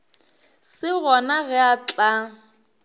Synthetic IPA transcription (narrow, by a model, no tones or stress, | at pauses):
sɪɣɔnaɣɛat͡ɬʼa